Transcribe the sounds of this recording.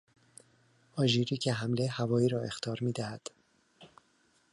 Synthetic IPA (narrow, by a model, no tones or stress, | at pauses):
ɒːʒiːɾiːcʰeɦæmle̞hævɒːiːɾɒːe̞xt̪ʰɒːɾmiːd̪æhæd̪̥